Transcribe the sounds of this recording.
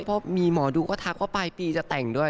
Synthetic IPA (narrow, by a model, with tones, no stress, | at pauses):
pʰɔ˦˥˩miː˧mɔː˩˦duː˧kɔː˥˩t̪ʰa˦˥k̚waː˥˩paː˧jpiː˧t͡ɕa˨˩t̪ɛ˨˩ŋdu˥˩əj